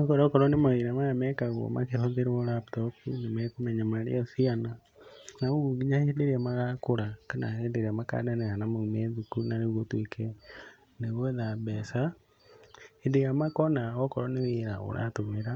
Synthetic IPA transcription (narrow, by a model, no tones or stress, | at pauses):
ɔkɔɾɔkɔɾɔnemaweɾamaɣamɛkaɣɔ̰ma̰keɾɔðeɾeolaptɔkunemɛkomɛɲamaɾḛɔsiana | naoɣuɡiɲahedeɾeamaɣakoɾakana̰hedeɾeamaka̰danehanamaumɛðukunaneɣotwekʰɛ | neɣɔðabɛsa | endeɾjamakɔnaɣɔkɔɾɔneweɾa̰o̰ɾa̰tomeɾa